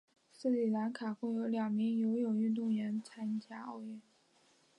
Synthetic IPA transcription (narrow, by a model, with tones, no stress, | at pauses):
sɹ̩˥˩li˨˩la˧˥nkʰa˨˩xwe˥˩ɪjo˧˥ʊljɑ˨˩ŋmi˧˥ŋjo˧˥ʊjo˨˩ʊy˥˧nt̪̬ʊ˥˩ŋɥɛ˧˥nt͡sʰa˥nt͡ɕja˥ɑ˥˧ʊɥɛ˥˩n